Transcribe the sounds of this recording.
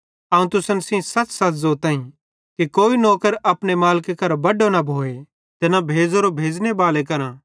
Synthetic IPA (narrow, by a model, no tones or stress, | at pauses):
ɐːũt̪ʊsənsĩsɐt͡ʃsɐzot̪ãːĩ | kikoːinɔːkəɾɐpɽ̃emaːlkekɐɾbɐɖonɐbʱoːe | t̪enabʱeːd͡zoɾobʱeːd͡ʒnebaːlekɐɾã